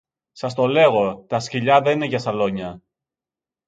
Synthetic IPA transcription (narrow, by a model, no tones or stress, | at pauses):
sɐst̪o̞le̞ɣo̞t̪ɐsciʎɐðenineʝɐsɐlo̞ɲɐ